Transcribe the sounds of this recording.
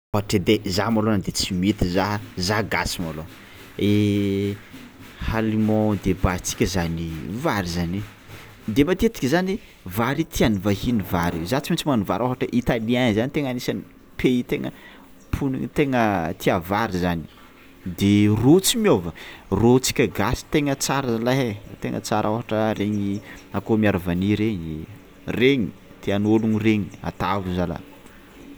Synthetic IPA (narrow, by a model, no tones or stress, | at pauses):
oɦaʈ͡ʂəd̪ezamalonəd̪et͡simit̪izaɦzaɡasimalo | e | halimɔ̃d̪ebat͡si̥kʲəzanivaɾizani | d̪ebat̪et͡s̪i̥kʲzani | vaɾit̪ʰianivahinivaɾizat͡simit͡simanuva̰ɾoɦaʈ͡ʂəʔit̪alianizanit̪eŋanisani | pʰeit̪eŋə | pʰunḭŋit̪eŋət̪ʰiavaɾizani̥ | d̪erot͡simiovərot͡si̥kʲəɡasi̥t̪eŋət͡saɾəzalaɦet̪eŋʔə̰t͡saɾʔofaʈ͡ʂəɾeɲiakomiaɾavaniɾeɲ | reɲi | t̪ianoluŋireɲia̰t̪avuzala̰